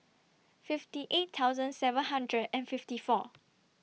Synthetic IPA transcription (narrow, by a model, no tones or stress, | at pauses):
fiftiʔetʰːawzə̃nsɛvə̃nɦãndɹədɛ̃nfiftifɔ